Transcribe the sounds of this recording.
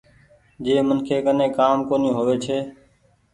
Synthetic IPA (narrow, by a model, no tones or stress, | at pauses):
d͡ʒeːmənkʰeːkənẽːkaːmkoːnĩːɦoːʋeːt͡ʃʰeː